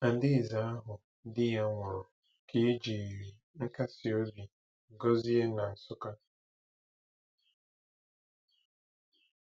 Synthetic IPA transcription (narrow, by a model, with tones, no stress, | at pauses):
a˨n̩˨˦dɪ˦˨za˨˦a˦ɦʊ˨˦ | dɪ˦ja˦ŋʷɔ˨ɾʊ˨ | kʰe˦d͡ʒi˨i˨ɾi˨ | ŋ̩˦ka˦si˨o˦bi˨ | ɡo˦zi˦e˦na˨a˨sʊ˦ka˦